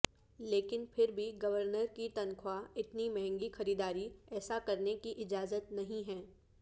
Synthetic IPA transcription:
leːkɪnpʰɪɾbʱiɡɐʋəɾnəɾkit̪ɐnkʰwaɪt̪nimɛɦɛ̃ŋɡixɐɾiːd̪aːɾiɛːsakɐɾnekiʔɪd͡ʒaːzət̪nɐɦĩɦɛ̃ː

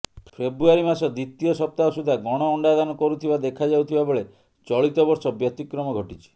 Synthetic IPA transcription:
pʰebɾuaɾimasɔd̪it̪iɔsɔp̚t̪aɦɔsud̪ʱaɡɔɽ̃ɔːɳɖad̪anɔkɔɾut̪ʰibad̪ekʰad͡ʒawt̪ʰibabɔɭe | t͡ʃɔɭit̪ɔbɔɾsɔbjɔt̪ikɾɔmɔɡʱɔʈit͡ʃʰi̥

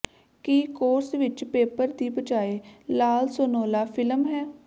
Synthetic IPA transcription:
kiːkoːɾsʋɪt͡ʃpeːpəɾd̪iːbət͡ʃaːeːlaːlsoːnoːlaːfʰɪləmɦɛː

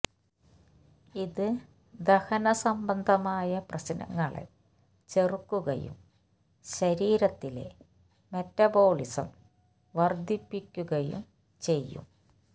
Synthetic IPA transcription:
iðɨ | d̪ɐhɐnɐsɐmbɐnd̪ʱɐmaːjɐprɐsinɐ̰ŋːɐɭḛ | t͡ɕerukːuɣɐ̰jṵm | ɕɐɾiːɾɐt̪ːile̞̰ | metːɐbo̞ːɭisɐ̰m | ʋɐrd̪ʱipːikʲːuɣɐjṵm | t͡ɕe̞jːṵm

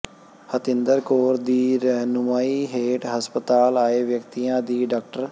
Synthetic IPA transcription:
hət̪ɪ̃nd̪əɾkoːɾd̪iːɾənʊmaːiːɦeːʈɦəspət̪aːlaːeːʋjəkt̪iːãːd̪iːɖaːk̚ʈəɾ

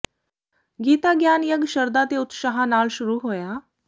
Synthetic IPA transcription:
ɡiːt̪aɡjaːnjəɡɕəɾd̪at̪eut̪ʃaɦanaːlɕuɾuɦoːja

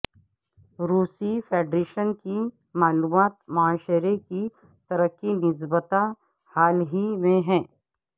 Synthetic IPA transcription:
ɾuːsifʰeːɖɾeːʃənki | maːluːmaːt̪mɐaːʃɾeki | t̪ɐɾəkːinɪs̬bət̪a | haːlɦimẽɦɛ̃ː

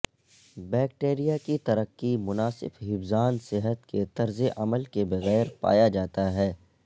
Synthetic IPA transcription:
bɛːk̚ʈeːɾijakit̪ɐɾəqːimʊnaːsɪ̰bɦɪbzaːnsɪɦət̪ket̪ɐɾzeʔɐməlkebɐɣɛːɾpa̰ːjad͡ʒaːt̪aɦɛː

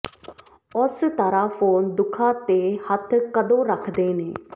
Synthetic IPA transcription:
ʊst̪aːɾaːpʰoːnd̪ʊkʰãːt̪eːhət̪ʰkəd̪õːɾəkʰd̪eːneː

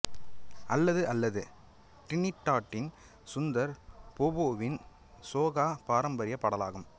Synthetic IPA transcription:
ʔɐlːɐðɯʔɐlːɐðɯ | ʈɪnɪʈːaːʈːɪn | sʊnd̪ɐɾpoboːʋɪn | soːɣaːpaːɾɐmbɐɾɪjɐpːɐɽɐlaːɣɯm

